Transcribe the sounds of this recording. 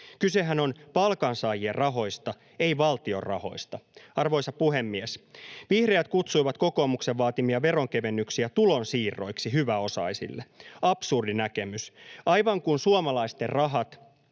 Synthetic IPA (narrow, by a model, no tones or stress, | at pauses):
kyse̞ɦæno̞npɑlkɑnsɑːjierɑɦo̞jst̪ɑ | e̞iʋɑlt̪iorrɑ̰ho̞̰jst̪ɑɑrʋo̞jsɑpuhe̞mːiesʋihreæt̪̚kut̪sujʋɑt̪ko̞ko̞ːmukse̞ʋʋɑːt̪imiɑʋe̞ɾoŋke̞ʋe̞nːyksiæt̪ulonsiːrːo̞̰jksiɦyʋæo̞sɑ̰isḭlːeɑpsurdinæke̞mysɑjʋɑŋkunsuomɑlɑist̪e̞rrɑɦɑt̪